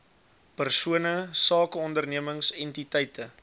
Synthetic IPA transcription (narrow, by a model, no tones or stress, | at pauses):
pərsuənəsɑːkəɔndərniəməŋsɛntitɛjtʰə